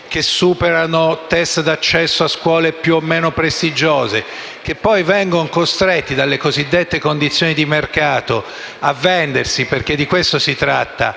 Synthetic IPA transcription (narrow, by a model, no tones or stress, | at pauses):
k̟esːuːpeɾanot̪ɛst̪d̪at͡ʃːɛsːoaskwɔːlepjuomːeːnopɾest̪id͡ʒoːze | kepːɔjvɛŋɡonkost̪ɾet̪ːid̪alːekozid̪ːet̪ːekond̪it̪sjoːnid̪imerkaːt̪o | avːɛnd̪ersiperk̟ed̪ːikwest̪osit̪ɾat̪ːa̰